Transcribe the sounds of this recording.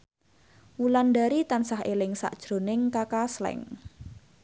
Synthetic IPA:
wulandaɾit̪ansaɦelɪŋsa̰ʔd̥ʒ̥ɾo̤nɪŋkakaslɛ̰ŋ

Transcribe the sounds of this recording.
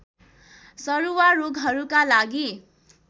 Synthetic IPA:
sʌɾuwaroɡɦʌɾukalaɡi

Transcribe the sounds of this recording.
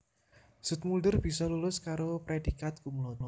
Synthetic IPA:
sʊt̪̚muldərb̥isɔlulʊskaɾopɾed̥ikat̪̚kumlɔnɔ

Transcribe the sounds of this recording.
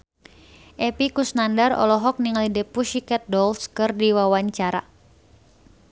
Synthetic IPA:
ʔɛpikusnandarɔ̰lɔɦɔk̚niŋalidɛpuʃikɛt̪̚dɔlskɨrdiwawaɲt͡ʃaɾa̰

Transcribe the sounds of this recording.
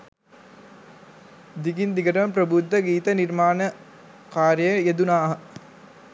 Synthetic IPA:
d̪iɡind̪iɡɐɾɐʋɐmpɾɐbud̪ʱːɐɡiːt̪ɐniɾmaːnɐ | kaːɾjəjjed̪unaːɦɐ

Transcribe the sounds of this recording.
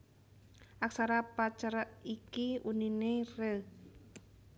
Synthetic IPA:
ʔaksaɾapat͡ʃaɾaikiuninerə

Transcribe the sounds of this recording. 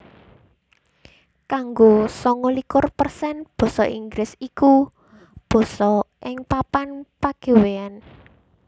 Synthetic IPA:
kaŋɡosɔŋɔlikʊrpərsɛnb̥ɔ̤sɔ̰ʔiŋɡɾɪsiku | b̥ɔ̤sɔʔɪŋpapanpaɡ̥e̤wean

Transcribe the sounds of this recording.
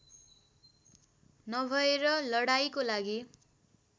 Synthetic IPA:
nʌbʱʌeɾʌlʌɽajkolaɡi

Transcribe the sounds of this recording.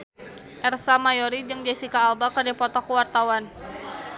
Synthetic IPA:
ʔɛrsamajɔɾid͡ʒɨŋd͡ʒɛsikaːlbakərdipɔt̪ɔkəwart̪awan

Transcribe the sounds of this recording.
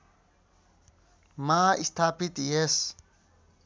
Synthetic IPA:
maːist̪ʰaːpit̪jes

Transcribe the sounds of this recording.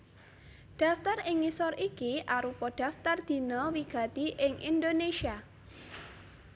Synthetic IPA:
ɖ̥a̤ft̪arɪŋːisɔrikiʔaɾupɔɖ̥a̤ft̪ard̪̥i̤nɔwiɡ̥a̤t̪iʔɪŋʔḭnd̪oneʃia

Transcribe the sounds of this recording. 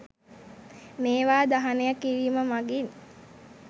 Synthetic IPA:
meːʋaːd̪aɦanejakːiɾiːməmaɡin

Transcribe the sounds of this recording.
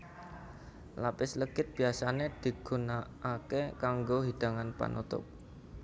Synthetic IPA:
lapɪsləɡ̥ɪt̪̚b̥i̤asaned̪̥i̤ɡ̥ṳnaː | kekaŋɡoɦiɖ̪̥a̤ŋanpa̰nṵt̪ʊ̰p̚

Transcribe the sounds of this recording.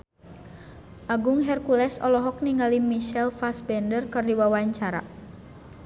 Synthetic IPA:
ʔaɡuŋɦɛrkulɛsɔ̰lɔɦɔk̚niŋalimiʃɛlfasbɛndərkɨrdiwawaɲt͡ʃaɾa̰

